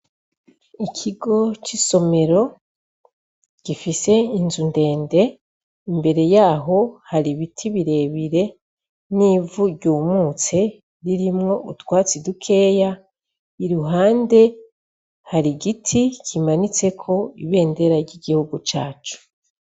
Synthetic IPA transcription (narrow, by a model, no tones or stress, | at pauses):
ikʰiɡo̞t͡ʃiso̞me̞ɾo̞ | ɡ̥ifise̞inzunde̞ːnde̞ | imbe̞ɾe̞jaːɦo̞haɾiβitʰiβiɾe̞ːβiɾe̞ | nivuɾɟuːmuːt͡se̞ | ɾiɾimŋo̞ʔutwaːt͡sidukʰe̞ːja | iɾuɦaːnde̞ | haɾiɡitʰikʰimanit͡se̞kʰo̞iβe̞ːnde̞ɾaɾɟiɡihuɡut͡ʃaːt͡ʃu̥